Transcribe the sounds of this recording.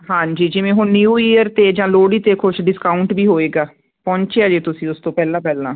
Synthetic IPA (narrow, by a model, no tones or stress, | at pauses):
ɦãːɲd͡ʒiːd͡ʒɪʋẽːɦʊnjuːijəɾt̪eːd͡ʒãːloːɽiːt̪eːkʰʊʃɖɪskaːʊɳʈbiːɦoːeːɡaː | pɔ̃ːɲt͡ʃeaːd͡ʒeːt̪ʊsĩːʊst̪õːpɛːlãːpɛːlãː